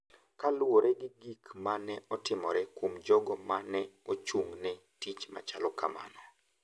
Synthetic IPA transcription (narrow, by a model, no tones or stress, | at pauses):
kalwoɾɛɡɪɡikmanɛɔtɪmɔɾɛkomd͡ʒɔɡɔmanɛot͡ʃuŋnɛ | tit͡ʃma̰t͡ʃalɔkama̰nɔ